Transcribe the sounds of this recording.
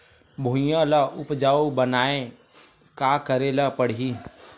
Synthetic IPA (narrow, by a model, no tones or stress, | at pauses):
bʱũjãlaʊpd͡ʒaːobənaːẽ | kaːkəɾeləpəɽ̤iː